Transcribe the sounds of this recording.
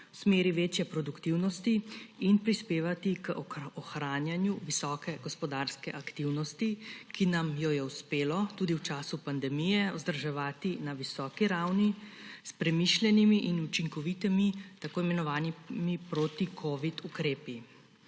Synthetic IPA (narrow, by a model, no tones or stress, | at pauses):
wsmeːɾiʋeːt͡ʃjɛpɾɔd̪ukt̪iwnɔst̪iinpɾispeːʋat̪ikɔxɾaːnjanjuʋisɔːkɛɡ̥ɔspɔd̪aːɾskɛʔakt̪iwnɔst̪ikinamjɔjɛuspeːlɔt̪uːd̪iwt͡ʃaːsupand̪ɛmijɛɔzd̪əɾʒɛʋaːt̪inaʋisɔːkiɾawnispɾɛmiʃlɛnimiʔinut͡ʃiŋkɔʋit̪imit̪akoːimɛnɔʋaːnimipɾoːt̪ikʰoːʋit̪ukɾeːpi